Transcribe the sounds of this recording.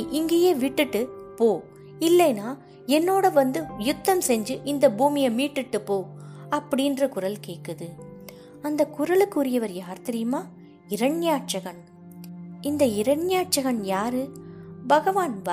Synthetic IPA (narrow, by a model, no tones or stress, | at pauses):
ʔɪŋɡeːjeːʋɪʈːɯʈːɯpoː | ɪlːɐjnaː | ɛnːoːɽɐʋɐnd̪ɯjʊt̪ːɐmsɛɲd͡ʒɯʔɪnd̪ɐbuːmɪjɐmiːʈːɯʈːɯpoːɐpːɐɽɪndrɐkʊɾɐlkeːʈkːɯðɯ | ɐnd̪ɐkʊɾɐlɯkːʊɾɪjɐʋɐɾjaːɾt̪ɐɾɪjɯmaː | ɪɾɐɳjaːʈ̚t͡ʃɐɣɐɳ | ɪnd̪ɐɪɾɐɳjaːʈ̚t͡ʃɐɣɐɳjaːɾɯbɐɣɐʋaːnʋɐ